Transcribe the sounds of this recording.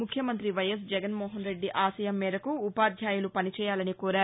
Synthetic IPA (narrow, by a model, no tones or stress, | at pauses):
mukʰjɐmɐnt̪ɾiʋɐjɐs̬d͡ʒɛɡɐnmoːɦɐnɾe̞ɖːiʔaːsɐjɐmːɛːɾɐkuːpaːd̪ʱjaːjulupɐnit͡ʃɛːjaːlɐnikoːɾaːɾu